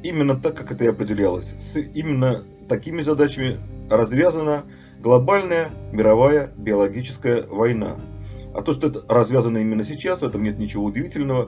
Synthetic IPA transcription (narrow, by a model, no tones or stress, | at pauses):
imʲɪnːət̪akːakɛt̪əiɐpɾʲɪdʲɪlʲalˠə̰sʲsimʲɪnːə | t̪ɐkʲimʲɪzɐd̪at͡ɕɪmʲɪrɐzvʲazənə | ɡlˠɐbalʲnəjəmʲɪɾɐvajəbʲɪɐlˠɐɡʲit͡ɕɪ̥skəjəvɐjna̰ɐ̰t̪oʂt̪oɛt̪ə̥ɾɐzvʲazənːəimʲɪnːəsʲɪt͡ɕasvɛt̪əmnʲet̪nʲɪt͡ɕɪvo̞ʊdʲɪvʲitʲɪlʲnəvə